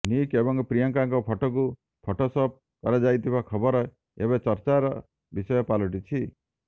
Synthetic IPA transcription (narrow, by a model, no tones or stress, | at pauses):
nikebɔŋpɾijɔŋkaŋkɔpʰɔʈɔku | pʰoʈosɔp̚ | kɔɾad͡ʒajt̪ʰibakʰɔbɔɾɔ | ebet͡ʃɔɾt͡ʃaɾɔ | bisɔjɔpalɔʈ̬it͡ʃʰi